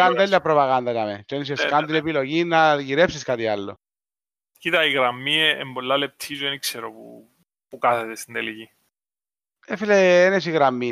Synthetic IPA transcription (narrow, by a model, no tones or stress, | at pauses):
and̪ɐlapɾopaɣand̪ɐtamḛt͡ʃenes̬ieskand̪ilepiloʝinːaʝiɾepsiskat̪ialːo̰ | cit̪ɐiɣɾɐmːieḛmbolːɐlep̚t̪ʰizuenikseɾopṵ | pukaθet̪est̪ind̪eliʝi | efileenesiɣɾamːi